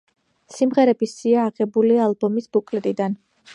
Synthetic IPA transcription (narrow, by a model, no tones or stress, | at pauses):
simʁɛɾɛbisiaːʁɛbulialˠbɔmisb̥ukʼlɛt̪ʼid̪an